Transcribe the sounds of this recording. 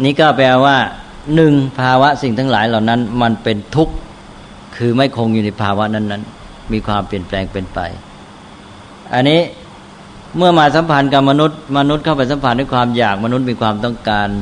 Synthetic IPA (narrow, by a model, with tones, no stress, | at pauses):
niː˦˥˩kaː˥˩wpɛː˧waː˥˩ | nɯ˨˩ŋpʰaː˧wa˦˥ʔsi˨˩ŋt̪ʰa˦˥ŋlaː˩˦jla˨˩wna˦˥˨nma˧npe˧nt̪ʰu˦˥k̚ | kʰːɯː˧ma˥˩jkʰo˧ŋjuː˨˩na˧˥jpʰaː˧wa˦˥ʔna˦˥˩nːa˦˥˨n | miː˧kʰwaː˧mpli˨˩ənplɛː˧ŋpe˧npa̰˧j | ʔa˧nːiː˦˥ | mɯ˥˩ɐmaː˧sa˨˦mpʰa˧nka˨˩p̚ma˧nu˦˥t̪̚ma˧nu˦˥t̪̚kʰa˥˩wpa˧˦jsa˨˦mpʰa˧nda˦˥˩kʰwaː˧mjaː˨˩k̚ma˧nu˦˥t̪̚miː˧kʰwaː˧mt̪ɔ˥˩ŋkaː˧n